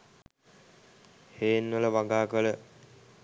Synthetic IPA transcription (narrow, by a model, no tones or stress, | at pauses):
heːnːələʋaɡaːkələ